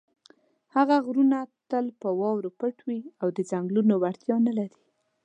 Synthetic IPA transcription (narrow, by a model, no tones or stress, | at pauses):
haɣaɣɾunat̪əlpəwɑwɾopəʈwiawd̪əzaŋɡlunowaɾt̪jɑnalaɾi̥